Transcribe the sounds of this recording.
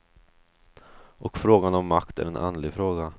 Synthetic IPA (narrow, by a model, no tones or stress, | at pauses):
ʔɔkfɾoːɡanɔmːakt̪æ̰ɾɛnʔa̰nd̪lɪɡfɾoːɡa